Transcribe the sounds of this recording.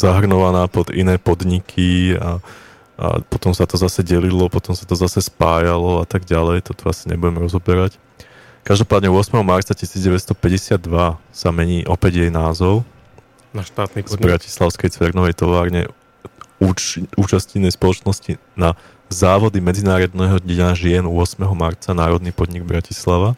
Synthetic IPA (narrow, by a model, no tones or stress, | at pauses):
zaɦr̩ɲɔʋanaːpɔd̪ḭnɛːpɔd̪ɲikʰia̰ | a̰pɔt̪ɔmsat̪ɔzasɛɟɛlilɔpɔt̪ɔmsat̪ɔzasɛspaːjalɔat̪aɡɟalɛjt̪ɔt̪ɔasiɲɛ̰buɟɛmɾɔzɔbɛɾac | kaʒd̪ɔpaːd̪ɲɛʊɔsmɛɦɔmaɾt͡sacisiːd͡zɟɛʋɛst̪ɔpɛɟɛsɪad̪ːʋasamɛɲiːʔɔpɛɟjɛjnaːzɔʊ | naʃt̪aːt̪nizbɾaci̥slaʊskɛjt͡sʋɛɾnɔʋɛjt̪ɔʋaːɾɲɛ̰ | uːuːt͡ʃascinɛjspɔlɔt͡ʃnɔscina | zaːʋɔd̪imɛd͡zinaːɾɔd̪nɛɦɔɟnaʒɪɛnuɔsmɛɦɔmaɾt͡sanaːɾɔd̪nipɔd̪ɲiɡbɾacislaʋa